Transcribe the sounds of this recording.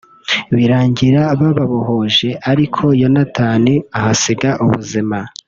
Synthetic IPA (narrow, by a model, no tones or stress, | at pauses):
βiɾaːɲɟiɾaβaβaβoho̞ʒe̞ʔaɾikʰo̞jo̞nataːneahasiɡaʔuβṵzima